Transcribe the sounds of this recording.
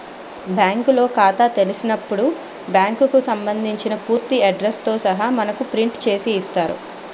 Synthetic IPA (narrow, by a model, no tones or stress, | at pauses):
bjaːŋkulo̞ːkaːt̪aːt̪e̞lisinɐpːuɽu | bjaːŋkkusɐmbɐnd̪ʱiɲt͡ʃinɐpuːɾt̪iɐɖɾest̪o̞ːsɐɦaːmɐnɐkupɾiɳʈt͡ʃe̞ːsiːst̪aːɾṵ